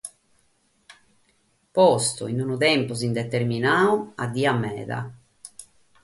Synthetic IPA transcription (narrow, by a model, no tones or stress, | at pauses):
pɔst̪ṵinunut̪ɛmpuzind̪ɛt̪eɾminaːuad̪ːiːamːɛ̰ːða̰